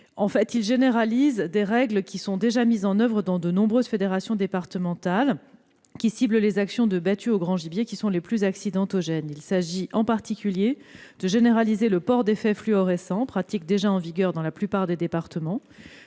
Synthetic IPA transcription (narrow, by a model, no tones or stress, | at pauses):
ɑ̃fɛt̪ilʒeneʁalizd̪eʁɛɡləkʲisɔ̃d̪eʒamizɑ̃nœvʁəd̪ɑ̃d̪ənɔ̃bʁøzfed̪eʁasjɔ̃d̪epaʁt̪əmɑ̃t̪al | kʲisibləlezaksjɔ̃d̪əbat̪yoɡʁɑ̃ʒibjekʲisɔ̃leplyzaksid̪ɑ̃t̪oʒɛnilsaʒiʔɑ̃paʁt̪ikʲyljed̪̥əʒeneʁalizeləpɔʁd̪efɛflyɔʁɛsɑ̃pχat̪ik̚d̪eʒaɑ̃viɡʲœʁd̪ɑ̃laplypaʁd̪ed̪epaʁt̪əmɑ̃